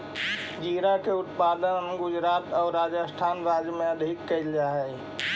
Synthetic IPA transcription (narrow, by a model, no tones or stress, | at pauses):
d͡ʒiɾakeʊt̪paːd̪ənɡʊd͡ʒɾaːt̪ɔːɾːad͡ʒəsʈ̪ʰaːnɾaːd͡ʒjəmẽəd̪ʱikːəild͡ʒaɦɛj